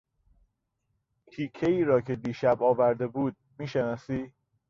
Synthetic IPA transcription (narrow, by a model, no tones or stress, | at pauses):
t̪ʰiːcʰːeiːɾɒːcʰe̞d̪iːʃæbɒːvæɾd̪e̞buːd̪̚miːʃenɒːsiː